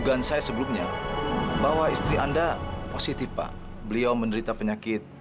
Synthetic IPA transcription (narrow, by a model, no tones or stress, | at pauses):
ɡansajasəbəlumɲa | bawaist̪ɾiandaposit̪ifpa̰ | bəliawməndəɾit̪apəɲakɪt̪̚